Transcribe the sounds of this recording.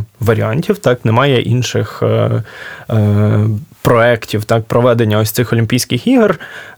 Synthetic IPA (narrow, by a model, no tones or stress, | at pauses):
ʋɐɾʲiɑnʲtʲiwt̪ɑknɛmɑjɛʔinʃɪx | pɾɔɛktʲiwt̪ɑk̚pɾɔʋɛd̪enʲːɐɔsʲt̪sɪxɔlʲimʲpʲijsʲkɪxiɦr